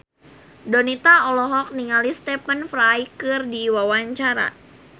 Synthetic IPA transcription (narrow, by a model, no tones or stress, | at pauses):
dɔnit̪aɔlɔɦɔk̚niŋalist̪ɛpənfɾajkɨrdiwawaɲt͡ʃaɾa̰